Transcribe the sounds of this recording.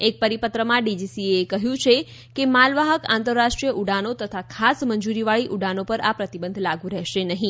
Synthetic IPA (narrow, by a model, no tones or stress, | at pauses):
ek̚pəɾipət̪ɾəmãɖid͡ʒisieːkəɦjũt͡ʃʰe | kemalʋaɦəkãnt̪əɾːaʃʈɾijəʔuɖanot̪ət̪ʰakʰasməɲd͡ʒuɾiʋaɭiʔuɖanopəɾapɾət̪ibənd̪ʱlaɡũɾɛɦʃenəɦĩ